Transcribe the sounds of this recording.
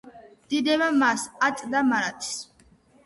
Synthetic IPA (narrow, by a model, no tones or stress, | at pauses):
d̪̥id̪ɛβamasat̪ʼd̪amaɾat̪ʰs